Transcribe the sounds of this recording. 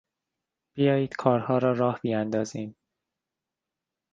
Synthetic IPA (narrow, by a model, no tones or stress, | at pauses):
b̥ijɒːjiːd̪̥kʰɒːɾhɒːɾɒːɾɒːhb̥ijænd̪ɒːziːm